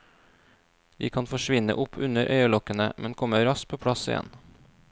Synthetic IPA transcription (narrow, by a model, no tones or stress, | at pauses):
d̪iːkʰɑnfɔʃʋɪnə̰ʔʊpʰʉnəɾʔœʏəlɔkənəmʔɛnkʰɔməɾɑsk̚pʰoːpʰɽɑsɪ̰jɛ̰n